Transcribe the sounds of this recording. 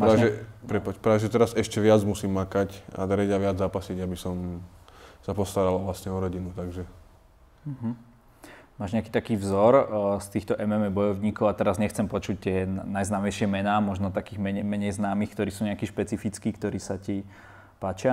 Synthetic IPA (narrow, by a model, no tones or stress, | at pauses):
maaɛpɾɛpapɾaːʋɛʒɛt̪ɛɾazɛʃcɛʋɪad͡zmusiːmːakaca̰d̪ɾɛɟaʋɪad͡zzapasiɟabisɔm | sapɔst̪aɾalaʋlasɲɛɔɾɔɟinut̪aɡʒɛ | m̩ɦm̩ | maːʒɲɛakiːt̪akiːvzɔɾst̪iːxt̪ɔʔɛmɛmɛbɔjɔʊɲiːkɔʊat̪ɛɾazɲɛxt͡sɛmpɔt͡ʃuc̚t̪ɪɛnajznaːmɛjʃɪɛmɛnaːmɔʒnɔt̪akiːɣmɛmɛɲɛjznaːmiːxkt̪ɔɾiːsuːɲɛakiːʃpɛt͡sifit͡skiːkt̪ɔɾiːsaci | paːt͡ʃɪa